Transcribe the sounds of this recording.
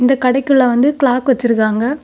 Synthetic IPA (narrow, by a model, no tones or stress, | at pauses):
ɪnd̪ɐkɐɽɐɪkːɯɭːɐʋɐnd̪ɯkɭaːkʋɐt͡ʃːɯɾɯkːaːŋɡɐ